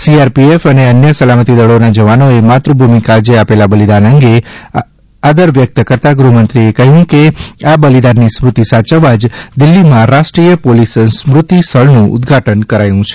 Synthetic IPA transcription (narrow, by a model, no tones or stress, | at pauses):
siaɾpiefəneənjəsəlamət̪id̪əɭonad͡ʒəʋanoemat̪ɾubʱumikad͡ʒeapelabəlid̪anəŋɡe | ad̪əɾʋjək̚t̪kəɾt̪aɡɾumənt̪ɾiekəɦjũkeabəlid̪anːismɾut̪isat͡ʃəʋad͡ʒd̪ɪlːimãɾaʃʈɾijəpolisənsmɾʊt̪ist̪ʰəɭnũʔʊ̰d̪ɡʱaʈənkəɾajũt͡ʃʰe̥